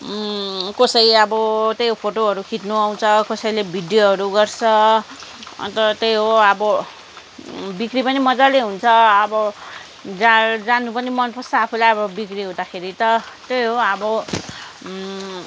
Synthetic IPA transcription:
kʌsʌɾiʌbʌt̪ejɦopʰoʈoɦʌɾukʰit̪nuaw̃t͡sʰʌkʌsʌjlebʱiɖjoɦʌɾuɡʌrt͡sʰʌ̰ | t̪ʌt̪ejɦoʌbʌ | bikripʌnimʌd͡zaleɦunt͡sʰʌʌbʌ | d͡zad͡zanupʌnimʌnpʰʌst͡saːpʰulajʌbʌbikɾiɦũd̪akʰeɾit̪ʌt̪ejɦoʌbʌ

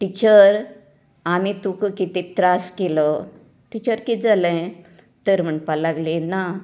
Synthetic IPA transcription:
ʈit͡ɕəɾ | amit̪ukkit̪it̪ɾaskelɔ | ʈit͡ɕəɾkid͡zalɛ̃ | t̪əɾm̤əɳpalaɡlina

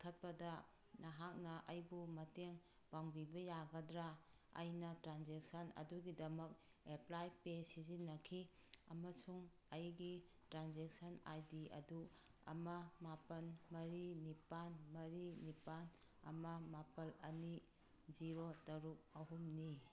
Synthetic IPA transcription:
kʰɐt̚bɐdɐ | naɦak̚nɐʔɐjbumɐteŋ | b̥aŋbibɐjaɡɐdɾa | ɐ̰jnɐtɾanzek̚sɐnɐ̰duɡidɐmɐk̚ | eplajpesizinːɐkʰi | ɐmɐsuŋ | ɐjɡi | tɾanzek̚sɐna̰jdiɐ̰du | ɐ̰mɐmapɐnmɐɾinipanmɐɾinipan | ɐ̰mɐmapɐlɐni | ziɾotɐɾuk̚ɐɦumni

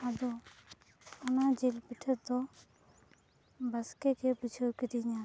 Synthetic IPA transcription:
əd̪o | ʊnãːd͡ʒɪlpɪʈʰət̪ːoː | bəskeːkʰeːpʊt͡ʃʰjoːkɪd̪iːɲãː

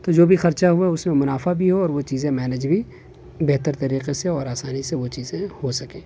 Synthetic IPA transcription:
t̪oːd͡ʒoːbʱixɐɾt͡ʃaɦʊaʊsmẽmʊnaːfabʱiɦoɔːɾʋot͡ʃiːzẽmɛːned͡ʒbʱi | beɦt̪əɾt̪ɐɾiːqeseɔːɾaːsaːniseʋot͡ʃiːzẽhosɐkẽː

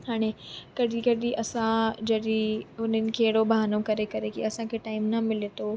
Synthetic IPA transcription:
ɦaːɽ̃ekɐɗikɐɗiʔɐsãd͡ʑɐɗiʊn̤ənɪ̆kʰeːɪɽobɦaːnokɐɾekɐɾekiɐsãkʰeʈaːɪmnɐmɪlet̪o

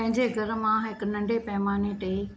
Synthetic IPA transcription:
pɐ̃ɦɪ̃ɲd͡ʑeɡʱɐɾmãɦɪknɐ̃ɳɖʱepɛːmaːnẽʈeː

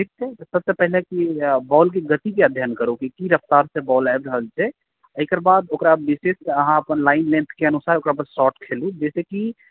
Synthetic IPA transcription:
ʈʰik̚t̪ʰesəbsepəɦilekibɔlk̬eɡət̪ikeəd̪ʱjənkəɾokikiɾəpʰt̪aɾsẽbɔlabɾəɦəlt͡ʃʰe | əjkəɾbad̪okɾabiseseəɦãəpənlaɪnlẽnt̪ʰkeənusaɦokɾapad̪sɔʈkʰelud͡ʒɛseki

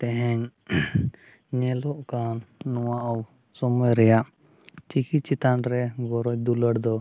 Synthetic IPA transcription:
t̪ɛɦɛɲ | ɲɛlɔʔkanːɔwaʔaw | sɔmɔjɾɛjaʔ | t͡ʃikit̪̚t͡ʃit̪anɾɛɡɔɾɔjd̪uləɽd̪ɔ

